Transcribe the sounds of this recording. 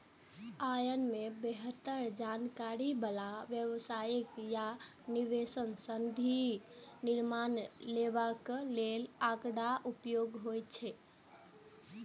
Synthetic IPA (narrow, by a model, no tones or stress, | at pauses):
ajənmebeɦət̪ːəɾd͡ʒankaɾibəlaʋjəʋsajikja | niʋesənsənd̪ʱiniɾmanlebaklelakɽaʔupjoɡɦojt̪t͡ʃʰɛ